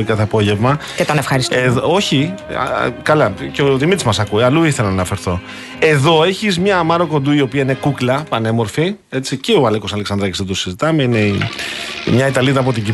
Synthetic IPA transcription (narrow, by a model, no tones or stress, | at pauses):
ikɐθeɐpo̞ʝe̞vmɐcet̪onefxɐɾisto̞çḭ | kɐlɐceot̪imit̪izmɐsɐkueɐluiθelɐnɐnɐfe̞ɾθo̞ | e̞ðo̞e̞çizmɲɐmɐɾo̞ko̞nd̪uio̞piɐine̞kuklɐpɐne̞mo̞ɾfi | e̞t͡siceoɐleko̞sɐle̞ksɐnd̪ɾɐcizðed̪usizit̪ɐme̞inḛ | mɲɐit̪ɐliðɐːpo̞t̪iɟi